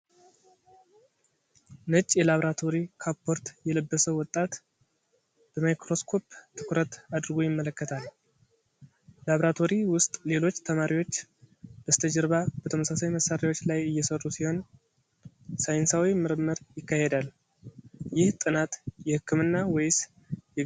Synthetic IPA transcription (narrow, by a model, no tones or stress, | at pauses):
nɨt͡ʃʼːjɛlaβɾat̪ʰo̞ɾikʰapʰːo̞ɾt̪jɛləbːəsəwɔt̪ʼːat̪ | b̥əmajkɾo̞skʰo̞pt̪ʰːɨ̥kʰɾət̪ad̪ɨɾɡojɪmːələkːət̪ʰal | laβɾat̪ʰo̞ɾiwʊst̪ʼle̞lo̞t͡ʃːt̪ʰəmaɾiwo̞t͡ʃːb̥əst̪ʰəd͡ʒəɾβab̥ət̪ʰəməsasajməsaɾawo̞t͡ʃːlajɨjːɛsərːusiho̞n | sajnsawimɨɾɨmːəɾjɪkːahed̪al | jɪht̪ʼɨnat̪jɛhɨkʰːɨmɨnːawejs | ɛ